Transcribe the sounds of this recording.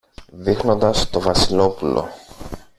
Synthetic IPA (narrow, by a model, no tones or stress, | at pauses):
ðixno̞nd̪ɐst̪o̞vɐsilo̞pulʔo̞̰